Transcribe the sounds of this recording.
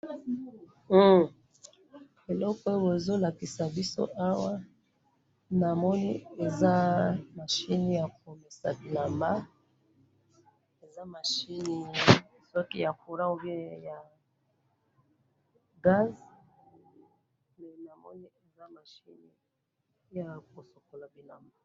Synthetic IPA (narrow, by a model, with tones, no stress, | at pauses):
e˨lɔ˦kɔ˦bo˨zo˦la˨ki˨sa˨bi˦so̰˦ʔa˦wa˦ | na˨mɔ˦ni˦e˨za˦ma˨ʃi˦ni˦ja˨ko˨mi˨sa˨la˨mba˦ | e˨za˦ma˨ʃi˦ni˦ | sɔ˦ki˦ja˨ku˨ɾa˦o˦ve˦ja˨ | ɡa˦z | nɛ˨na˨mɔ̰˦ni˦e˨za˦ma˨ʃi˦ni˦ | ja˨ko˨so˨ko˨la˨bi˨na̰˨mba˦